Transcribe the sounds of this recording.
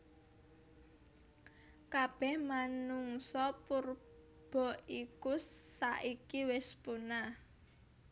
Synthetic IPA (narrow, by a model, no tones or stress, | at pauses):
kab̥ɛhmanuŋsɔpur | b̥ɔ̤ʔikusːaʔikiwɪspuna